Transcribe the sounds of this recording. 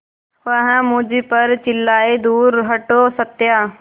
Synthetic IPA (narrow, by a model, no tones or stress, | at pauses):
ʋəɦãmʊ̃d͡ʒipəɾt͡ʃɪlːaːed̪uːɾɦɐʈoːsət̪jaː